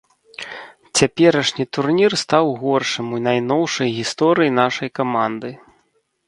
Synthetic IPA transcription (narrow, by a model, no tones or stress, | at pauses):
t͡sʲapʲɛɾɐʂnʲit̪urnʲirst̪awɣɔrʂɨmunajnɔwʂɐjɣʲist̪ɔɾɨjinaʂɐjkamand̪ɨ